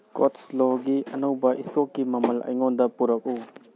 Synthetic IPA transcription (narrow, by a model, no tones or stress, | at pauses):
kotsloɡiɐnɐwbɐʔistʰok̚ːimɐmɐlɐ̰jŋondɐpuɾɐk̚u